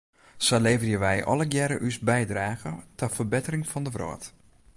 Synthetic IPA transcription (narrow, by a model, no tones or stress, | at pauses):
sɔleːvərjəʋɛjʔɔ̰ləɡjɛɾəʔysbɛjdraːɣətʰɔfərbɪtərɪŋfɔndəʋro̰ət